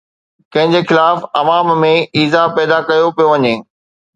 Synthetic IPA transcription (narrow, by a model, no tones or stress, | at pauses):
kɐ̃ɦɪ̃ɲ̆d͡ʑexɪlaːfɐʋaːmmẽiːzapɛːd̪akɐjopijoʋɐɲeː